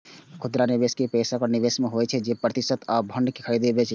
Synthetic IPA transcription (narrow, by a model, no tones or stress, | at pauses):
kʰʊd̪ɾaniʋeːskepeːsakɔniʋeːsmẽɦoɛt͡ʃʰɛd͡ʒepɾət̪ɪsət̪aːbʱə̃ɳɖkekʰəɾid̪ebet͡ʃʰ